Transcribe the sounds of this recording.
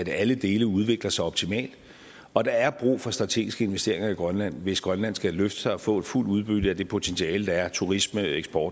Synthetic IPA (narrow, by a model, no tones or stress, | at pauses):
æd̥æləd̥e̝ːləuð̞ˠʋe̝ɡ̥lɐsɑ̈ɪɒ̽b̥t͡sʰimɛ̰ːld̥ | ɒ̽d̥ɑ̈æɐb̥ʁṵːfɒ̽sd̥ʁɑ̈t͡sʰe̝̰ːɡisɡ̥əe̝nʋesd̥e̝̰ɐe̝ŋɐiɡ̥ʁɶnlæn̰ʋe̝sɡ̥ʁɶnlæn̰sɡ̥æløfd̥ə̥sɑ̈ɪɒ̽fɔ̰̽ːe̝d̥ful̰d̥uð̞ˠb̥yd̥əæd̥e̝pʰo̝t͡sʰensʰiɛːləd̥ɑ̈æɐt͡sʰuʁisməeɡ̥sb̥ɒːd̥